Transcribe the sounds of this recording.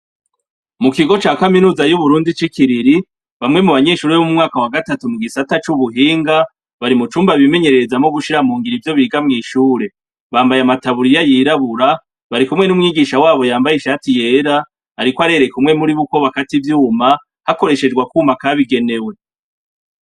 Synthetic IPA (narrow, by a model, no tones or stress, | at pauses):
mukiɡo̞t͡ʃaːkaminuːzajuβuɾuːndit͡ʃikiɾiɾi | βamŋe̞muβaɲe̞ːʃuːɾeomumŋaːkawaɡatatumuɡisatat͡ʃuβuɦiːŋɡa | βaɾimut͡ʃuːmbaβime̞ɲe̞ɾe̞ezamo̞ɡuʃiɾamuːŋɡiɾivjo̞βiɡamŋiːʃuːɾe̞ | βaːmbajamataβuɾijajiːɾaβuɾa | βaɾikumŋe̞numŋiːɡiʃawaːβo̞jaːmbajeʃatije̞ːɾa | aɾikwoaɾe̞ɾe̞kumŋe̞muɾiβuko̞βakativjuːma | hako̞ɾe̞ʃe̞d͡ʒɡwakuːmakaβiɡe̞ne̞we̞